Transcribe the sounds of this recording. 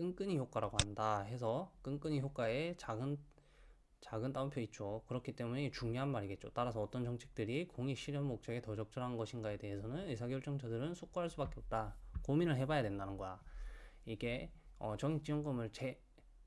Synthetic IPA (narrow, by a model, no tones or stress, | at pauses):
k͈ɯŋk͈ɯɲiçjok͈waɾaɡoandaɦe̞sʰʌk͈ɯŋk͈ɯɲiçjok͈waet͡ɕaɡɯn | t͡ɕaɡɯnt͈aumpʰjoit̚t͡ɕ͈okɯɾʌkʰit͈e̞munet͡ɕuŋɲjoɦanmaɾiɡe̞t̚t͡ɕot͈aɾasʰʌːt͈ʌnt͡ɕʌŋt͡ɕʰe̞̥k̚t͈ɯɾikoŋiɕʰiɾjʌnmok̚t͡ɕ͈aɡe̞tʌd͡ʑʌk̚t͡ɕ͈ʌɾɦannɡʌɕʰinɡae̞de̞ɦesʰʌnɯnesʰaɡjʌɭt͡ɕ͈ʌŋt͡ɕʰadɯɾɯnsʰok͈oɦaɭs͈ubak͈e̞ʌp̚t͈akominɯɭɦe̞bajadwendanɯnɡʌja | iɡe̞ʌt͡ɕʌŋik̚t͡ɕ͈iʌŋɡʌmɯɭt͡ɕe